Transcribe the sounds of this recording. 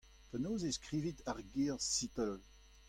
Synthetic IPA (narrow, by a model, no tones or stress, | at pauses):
pɛnoːzeskʁiːvit̪aʁɡiʁsit̪ɛl